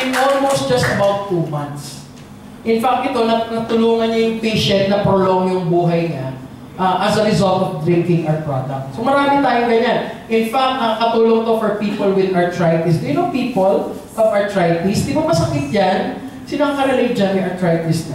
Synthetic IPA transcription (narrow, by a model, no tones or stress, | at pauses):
nʔolmowst̪̚d͡ʒɐst̪ɐbawt̪ːumɐ̃nt̪s | ʔɪnfak̚t̪ɪt̪o̞nɐnɐt̪ʊluːŋɐnɲɐjʊŋpejʃɛ̃nt̪̚nɐpɾoloŋjʊŋbuːɦɐjɲa | ʔɐʔɐsɐɾɪzɐlt̪ɔvd̪ɾɹɪ̃ŋkɪ̃ŋʔɐɹpɹod̪ɐk̚t̪̚somɐɾaːmɪt̪aːjoɡɐɲanʔɪnfak̚t̪̚ɐkɐt̪uːloŋt̪ofɔɹpiːpolwɪd̪ɐɹt̪ɹajt̪ist̪jʊnopiːpol | ʔɔvɐɹt̪ɹajt̪isd̪ɪɡoŋmɐsɐkɪt̪̚d͡ʒan | sɪnɐŋkɐɾɐlɪd͡ʒɐnmɪʔɐɹt̪ɹajt̪isnɐ